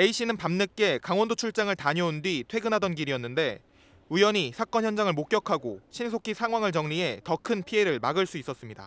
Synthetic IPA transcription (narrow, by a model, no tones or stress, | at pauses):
e̞iɕ͈ʰinɯnpamnɯk͈e̞kaŋwʌndot͡ɕʰuɭt͡ɕ͈aŋɯɭtaɲʌundwɥitʰwe̞ɡɯnɦadʌnɡiɾijʌnːɯnde̞ | ujʌɲisʰak͈ʌnçjʌnd͡ʑaŋɯɭmok͈jʌkʰaɡoɕʰinsʰokʰisʰaŋwaŋɯɭt͡ɕʌŋɲie̞tʌkʰɯnpʰie̞ɾɯɭmaɡɯɭs͈uis͈ʌs͈ɯmɲida̰